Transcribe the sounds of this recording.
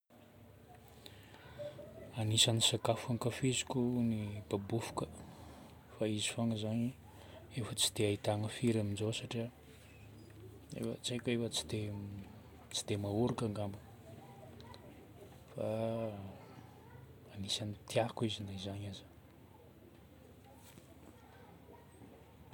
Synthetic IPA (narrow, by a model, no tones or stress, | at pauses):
anisanisakafuaŋkafizikʲunib̥abufu̥kə | faizi̥faŋəzaɲi | efət͡si̥d̪̥eait̪aŋəfiɾaminzosaʈ͡ʂia | ḛfə̰t͡sajkʲefət͡si̥d̪e | t͡si̥d̪̥emauɾukaŋɡambə | fa | anisanit̪ʰiakuizinaizaɲaz